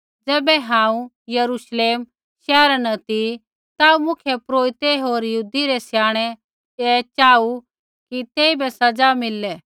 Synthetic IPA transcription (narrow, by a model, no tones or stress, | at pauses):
d͡zɛːbɛɦãːũ | jɐɾuʃleːm | ʃɛːɾanɐt̪i | t̪aːumʊkʰjepɾoːit̪eɦoːɾjɦuːd̪iɾɛsjaːɽ̃ɛ | ɛːt͡ʃaːu | kit̪eːibɛsɐd͡zamɪlːɛ